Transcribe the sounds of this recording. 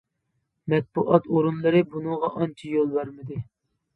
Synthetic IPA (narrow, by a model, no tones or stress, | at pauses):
mɛt̪̚b̥uʔɑt̪oɾunlˠɨɾɨbunɨŋʁɑʔɑnt͡ʃʰijolˠbæɾmɨd̪ɨ